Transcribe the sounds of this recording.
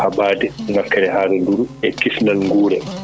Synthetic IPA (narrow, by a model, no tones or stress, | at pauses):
habaːdɛŋakːɛɾɛhaːɾɛnduɾɛkisnalŋɡuːɾɛ